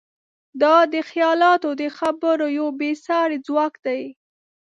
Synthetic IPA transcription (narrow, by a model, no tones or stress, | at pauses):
d̪ɑd̪əxjɑlɑt̪od̪əxabəɾojawbesɑɾed͡zwɑkd̪aj